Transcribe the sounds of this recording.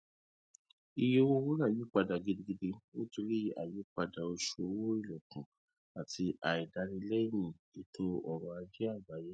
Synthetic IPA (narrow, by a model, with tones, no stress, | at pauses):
i˧je˧˦wo˧˦wo˦ɾã˦˨ji˨˦k͡pa˧da˨ɡi˨˧di˧ɡi˧de˧wo˦tu˧ɾi˦a˨ji˨˦k͡pa˧da˨o˧ʃo˧˨˦wo˦i˦˨lɔ˨kũ˨ | a˨tʰi˧ʔa˨i˨da˧ɾi˧˦lɛ˦i˦˨mĩ˨ | i˨tʰũ˦ɔ˨ɾɔ̃˧a˧d͡ʒi˦a˦˨ba˨˦je˨˦